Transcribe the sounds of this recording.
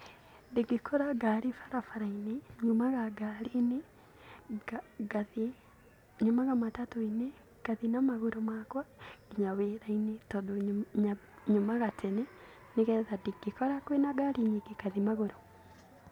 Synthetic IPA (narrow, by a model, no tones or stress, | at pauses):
ndeɡikʰɔɾaɡaɾifḁɾafaɾaineɲomaɣaɡaɾine | aɡað | ɲomaɣamatatoine | kaðinamaɣoɾomakwaɡ̥iɲaweɾainetodoɲa | ɲomaɣatʰɛne | neɣɛðadeɡekɔɾakwenaɡaɾiɲiɡekaðimaɣoɾo